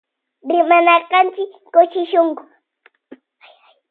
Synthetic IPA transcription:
ɾɪmanɑqɑnt͡ʃɪkːʊt͡ʃɪʃʊŋkʊ̥

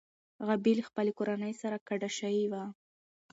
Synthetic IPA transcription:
ɣabilxpəlekoɾanəjsaɾakaɖaʃajiwa

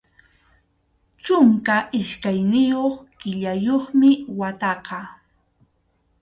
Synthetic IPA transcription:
t͡ʃʊŋkaʔɪʃkajnɪjoχkɪʎajoχmɪwat̪ɑqɑ

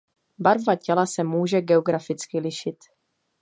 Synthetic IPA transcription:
baɾvacɛlasɛmuːʒɛɡɛoɡɾafɪt͡skɪlɪʃɪt̪

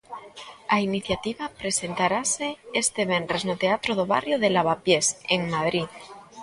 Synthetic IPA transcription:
ainiθjat̪iβapɾe̞se̞nt̪aɾase̞est̪eβeneznot̪eat̪ɾoð̞oβa̰rjoðelaβ̞apje̞seŋmaðɾið

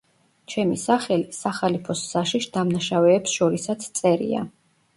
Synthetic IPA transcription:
t͡ʃʰɛmisaχɛlisaχalipʰɔsːaʃiʃd̪amnaʃavɛːpsʃɔɾisat̪sʰt̪sʼɛɾḭa̰

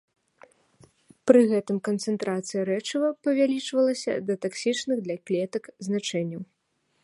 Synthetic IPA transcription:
pɾɨɣɛt̪ɨmkɐnt̪sɛnt̪ɾat̪sɨjɐɾɛt͡ʂɨvɐpɐvʲalʲit͡ʂvɐlˠɐsʲɐ̰d̪ɐt̪aksʲit͡ʂnɨɣd̪lʲaklʲɛt̪ɐkznat͡ʂɛnʲːɐw

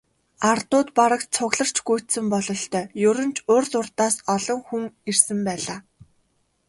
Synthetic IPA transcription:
art̪ʊːt̪paɾə̆k̪̚t͡sʰʊɣɮə̆r̥t͡ɕɡujʰt̪sɘ̆mpɔɮɞ̆ɬt̪ʰœːjɵɾɵ̆nt͡ɕʰʊːrsʊrt̪aːsɔɮɞ̆ŋxuŋersɘ̆mpæːɮaː

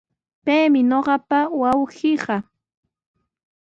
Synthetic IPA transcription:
pejmɪɲoɢɑpawawɢɪɢɑ

